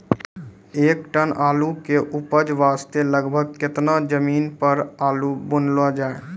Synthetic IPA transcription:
eːkʈənaːlukeʔʊpəd͡ʒʋaːst̪eləɡbʱəɡ̚kɪt̪nad͡ʒəmiːnpəɾaːlubʊnlad͡ʒaːe

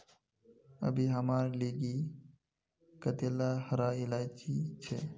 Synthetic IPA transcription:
ə̰bʱiːɦəmaːɾliːɡiː | kət̪eːlaːhəɾaːɪlaːt͡ʃit͡ʃʰeː

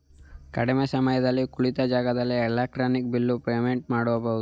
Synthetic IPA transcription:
kɐɽimeːsɐmɐjɐd̪ɐlːikuɭit̪ɐd͡ʒaːɡɐd̪ɐlːiɛlaːk̚ʈɾaːnik̚bilːupɾeʋeɳʈ̚maːɽɔbɐud̪u

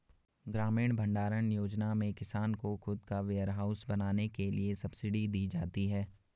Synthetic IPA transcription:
ɡɾaːmiːɽ̃bʱɐ̃ɳɖaːɾəñjoːd͡ʒnamẽkɪsaːnkoxʊd̪kaʋeːəɾɦaːʊsbɐnaːnekeliesɐbsɪɖid̪iːd͡ʒaːt̪iɦɛː

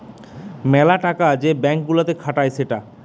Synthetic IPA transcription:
mɛlaʈakad͡ʑebɛŋk̚ɡulat̪ekʰaʈajseʈa

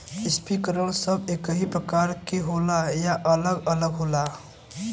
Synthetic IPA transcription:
ɪspikəɾəlsəbekəɦipɾəkaɾkeɦolajaʔələɡələɡɦola

